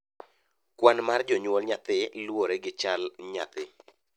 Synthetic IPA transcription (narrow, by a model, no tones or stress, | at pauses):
kwanmard͡ʒɔɲwɔlɲat̪ɪlwoɾeɡɪt͡ʃalɲa̰t̪ɪ